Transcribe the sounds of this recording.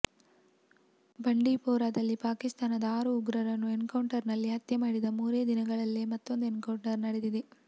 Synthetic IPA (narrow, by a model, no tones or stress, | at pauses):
bɐɳɖiːpɔːɾaːd̪ɐlːipaːkist̪aːnɐd̪ɐaːɾuːɡɾɐɾɐnːuenkɐwɳʈɐɾnɐlːiɦɐt̪jɐmaːɽid̪ɐmuːɾeːd̪inɐɡɐɭɐlːemɐt̪ːo̞nd̪uenkɐwɳʈɐɾnɐɽed̪id̪e